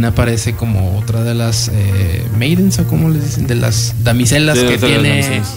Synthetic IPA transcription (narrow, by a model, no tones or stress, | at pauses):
napaɾe̞se̞ko̞mo̞̰ot̪ɾaðe̞lase | mejðensoko̞molezðisend̪e̞lʔa̰zd̪amise̞laket̪jene